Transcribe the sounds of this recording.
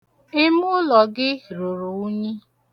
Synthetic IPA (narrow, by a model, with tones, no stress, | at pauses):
ɪ˦mʊ˦lɔ˨ɡɪ˦ɾu˨ɾu˨ʊ˦ɲi˦